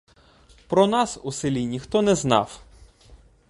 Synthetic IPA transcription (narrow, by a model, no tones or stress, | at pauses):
pɾɔnɑsusɪlʲinʲixt̪ɔnɛznɑ̰w